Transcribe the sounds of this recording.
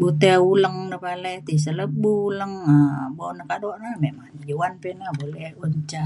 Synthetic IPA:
but̪euləŋnəpalɛt̪is̬ələbuləŋəbonəkaʔdoʔnamemaŋd͡ʒowanpɛnabolɛhuɲt͡ʃa

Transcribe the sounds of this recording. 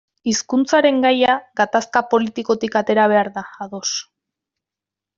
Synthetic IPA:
iskunt͡saɾe̞ŋɡajaɡat̪askapo̞lit̪iko̞t̪ikat̪e̞ɾaβ̞e̞aɾðaːðo̞s

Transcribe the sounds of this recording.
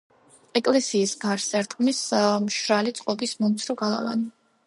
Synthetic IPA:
ɛkʼlɛsiːsɡaɾsɛɾt̪ʼqʼmismʃɾalit̪sʼqʼɔbismɔmt̪sʰɾɔɡalˠa̰va̰ni

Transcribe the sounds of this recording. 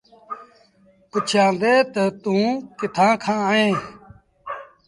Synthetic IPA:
pʊt͡ʃʰjãːd̪eːt̪ət̪ũːkɪt̪ʰãːkʰãːẽː

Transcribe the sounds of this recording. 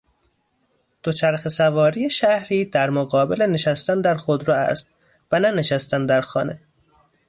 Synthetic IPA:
d̪̥ot͡ʃʰæɾxesævɒːɾiːeʃæhɾiːd̪æɾmoɣɒːbele̞neʃæst̪ænd̪æɾxod̪ɾɒæ̰st̪̚ | vænæne̞ʃæst̪ænd̪æɾxɒːne̞

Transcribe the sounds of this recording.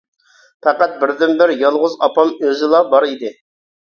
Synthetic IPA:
pʰæqæt̪̚bɪɾd̪ɪnbɪɾjɑlˠʁʊzɑpɑmøzɪlˠɑbɑɾid̪ɪ

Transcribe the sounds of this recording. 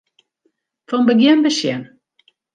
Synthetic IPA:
fɔnbəɡjɛnbəsjɛn

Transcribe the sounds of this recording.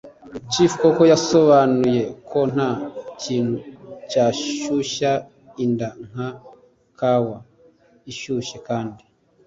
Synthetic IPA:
cifukoko̞jaso̞βanuje̞kʰo̞n̥haciːn̥hucaːʃuʃa | indaŋ̥ha | kʰawa | iʃuːʃekaːndi

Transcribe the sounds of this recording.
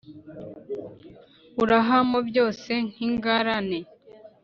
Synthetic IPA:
uɾaɦamobjo̞ːse̞ŋ̥hiŋɡaɾane

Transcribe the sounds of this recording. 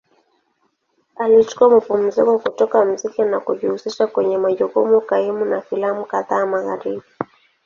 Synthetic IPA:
alit͡ʃu̥kuamapum̩zikɔkutɔkam̩zikɛnakuʄihusiʃakwɛɲɛmaʄɔkumukaimunafilamukaðaːmaɣaɾiɓi

